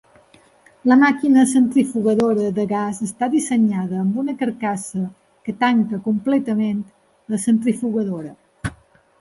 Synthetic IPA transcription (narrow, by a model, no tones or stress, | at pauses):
ləmakinəsənt̪ɾifuɣəðoɾəðəɣazəst̪aðisəɲaðəːmbunəkəɾkasə | kət̪aŋkəkumplɛt̪əment̪ | ləsənt̪ɾifuɣəðoɾə